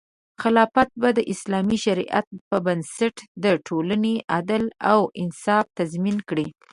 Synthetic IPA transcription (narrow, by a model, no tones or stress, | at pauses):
xɪlɑfat̪̚bad̪əʔɪslɑmiʃaɾḭʔa̰t̪̚pəbansaʈd̪əʈʰolaneʔad̪alawɪnsɑft̪azminkɽi